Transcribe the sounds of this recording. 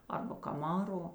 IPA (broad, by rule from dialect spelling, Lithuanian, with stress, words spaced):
ˈɐrbɐ kɐˈmɑːroː